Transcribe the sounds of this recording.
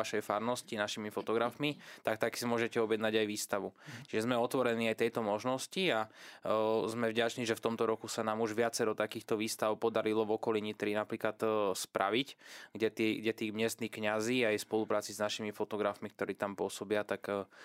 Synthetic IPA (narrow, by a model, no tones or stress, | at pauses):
aʃɛjfaɾnɔscinaʃimifɔt̪ɔɡɾafmit̪akt̪aksimʊɔʒɛcɛɔbjɛd̪naɟajʋiːst̪aʋut͡ʃiʒɛzmɛɔt̪ʋɔɾɛniːajt̪ɛjt̪ɔmɔʒnɔscia | zmɛvɟat͡ʃniːʒɛft̪ɔmt̪ɔɾɔkusanaːmuʒʋɪat͡sɛɾɔt̪akiːxt̪ɔʋiːst̪aʊpɔd̪aɾilɔvɔkɔliɲit̪ɾinapɾiːklat̪spɾʔa̰ʋicɡɟɛt̪ːɡɟɛt̪iːmɪɛst̪nixkɲaziːajspɔlupɾaːt͡siznaʃimifɔt̪ɔɡɾafmik̚t̪ɔɾiːt̪ampʊɔsɔbɪat̪akː